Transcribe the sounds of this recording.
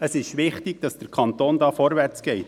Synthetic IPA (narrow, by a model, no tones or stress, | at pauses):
əsɪʃʋɪχtɪɡ̥d̥ɑsd̥əɾkʰɑnt̪oːndɑːfɔɾʋæɾt͡sɡ̥ɛɪt